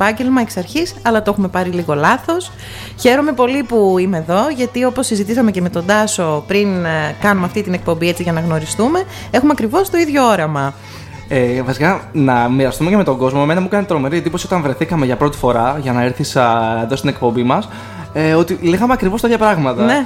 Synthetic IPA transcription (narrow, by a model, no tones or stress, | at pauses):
pɐɲɟe̞lmɐeksɐɾçisɐlɐt̪oe̞xume̞pɐɾiliɣo̞lɐθo̞s | çe̞ɾo̞me̞po̞lipuime̞ːðo̞ʝɐt̪io̞po̞sːizit̪isɐme̞ceme̞t̪o̞nd̪ɐso̞pɾinkɐnumɐft̪it̪inek̚po̞mbie̞t͡siʝɐnɐɣno̞ɾist̪ume̞ | e̞xumeɐkɾivo̞st̪o̞iðʝo̞o̞ɾɐmɐ | evɐsikɐnɐmiɾɐst̪ume̞ceme̞t̪o̞ŋɡo̞zmoemenɐmukɐnit̪ɾo̞me̞ɾiend̪ipo̞sio̞t̪ɐnvɾe̞θikɐme̞ʝɐpɾo̞t̪i̥fo̞ɾɐʝɐnɐeɾθisɐeðo̞st̪ine̞k̚po̞mbimɐs | eo̞t̪ileɣɐmeɐkɾivot̪ɐt̪çɐpɾɐɣmɐt̪ɐne̞